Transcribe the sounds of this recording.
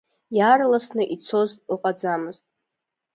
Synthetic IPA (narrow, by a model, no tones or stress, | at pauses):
jaːrlasnɨʔit͡sʰo̞ztʼl̩qʼad͡zamɨztʼ